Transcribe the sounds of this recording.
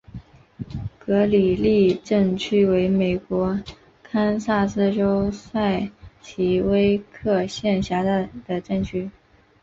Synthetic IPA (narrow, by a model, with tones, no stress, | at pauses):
kɤ˧˥li˨˩li˥˧ʈ͡ʂɤ˥˩ŋt͡ɕʰy˥we˧˥ɪme˨˩ɪkwɔ˧˥ | kʰa˥nsa˥˧sɹ̩˥˧ʈ͡ʂo˥ʊsa˥˩ɪt͡ɕʰi˧˥we˥ɪkʰɤ˥˧ɕjɛ˥˩nɕja˧˥˩d̪̥ə˨ʈ͡ʂɤ˥˩ŋt͡ɕʰy˥